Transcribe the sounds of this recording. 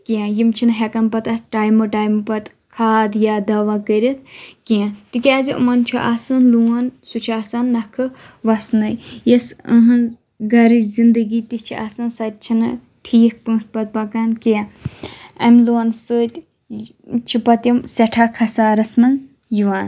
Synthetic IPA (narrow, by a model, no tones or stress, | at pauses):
kiãjimt͡ʃʰinɦɛkɐnpɐt̪ɐʈaːjmɨʈaːjmɨpɐt̪ | kʰaːd̪jaːd̪ɐʋaːkəɾʲit̪̚ʰkijãt̪ikʲaːziʔṵmɐnt͡ʃʰuʔasɐnluɐnsut͡ʃʰasanːɐkʰɨ | ʋɐsnɐjjɐsəɦɐn | ɡɐɾɨzind̪əɡiːt̪it͡ʃʰiʔa̰sɐnsɐt̪̚ʲt͡ʃʰinɨ | ʈʰiːk̚pɨːʂpɐt̪̚pɐkankijã | ɐmʲluɐnsɨt̪ʲ | t͡ʃʰipɐt̪jimsɛʈʰaːkʰɐsaːɾɐsmɐn | jiʋaːn